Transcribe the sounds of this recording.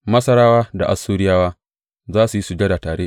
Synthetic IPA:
mɐ˦sɐ˦ɾaː˦waː˦da˨ʔa˨sːuː˦ɽɪ˦jaː˦waː˦ | zaː˦su˨ji˦su˨d͡ʒe˦da˨taː˨ɽeː˦

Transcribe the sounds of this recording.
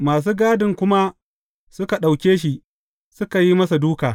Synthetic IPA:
maː˨s̬uː˦ɡaː˦dɪ˨ŋkʷʊ˦ma˦ | sʊ˦ka˨ɗa˨wkʲeː˦ʃi˦ʔ | sʊ˦ka˨ji˦mɐ˦sa˨duː˦kaː˨

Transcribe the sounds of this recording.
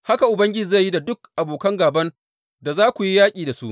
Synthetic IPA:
ha˦ka˨ʔʊ˨bɐ˦ŋɡʲɪ˦˨za˦˨jːi˦da˨dʊ˦k̚ʔa˨boː˨kɐ˦ŋɡaː˨bɐ˦n | da˨zaː˦kʷu˨ji˦jaː˦kʲʼiː˨da˨su˦ʔ

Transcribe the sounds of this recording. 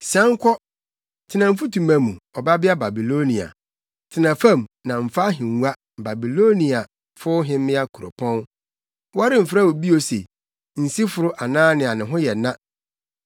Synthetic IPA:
sɛ̃˦ŋ˦kʰɔ˦ | tʰɪ˨nã˨m̩˦fu˦tʰũ˨mã˨mũ˨ɔ˨ba˦bɪ˦a˦ba˨bi˨lo˦nĩ˨a̰˨ | tʰɪ˨nã˨fã˦mnã˨m̩˨fa˦ɦɪ̃˨ŋ˨˦a˦ | ba˨bi˨lo˦nĩ˨a˨ | fʊ˦ɦɪ̃˦m˦mɪ̃˦a˦kʰu˨ɾo̰˨pʰɔ̃˦n | wa˦ɾɪ˦m̩˨fɾa˦wo˨bi˦o˨sḛ˨ | n̩˨si˦fʊ˨ɾʊ˦ʔa˨nãː˦nɪ̃˨a˨nɪ̃˨ɦʊ̃˦jɛ˨nã˦

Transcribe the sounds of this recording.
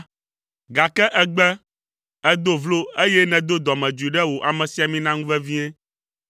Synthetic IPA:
ɡa˨kɛ˦ʔɛ˦ɡ͡bɛ˦ | ɛ˦d̪o˦vlo˦e˦jɛ˦nɛ̃˨d̪o˦d̪ɔ˨mɛ̃˨d͡ʒu˨i˨ɖɛ˦wo˨ʔa˨mɛ̃˨si˨˦a˨mĩ˦nã˦ŋũ˦vɛ˦vi˦e˦

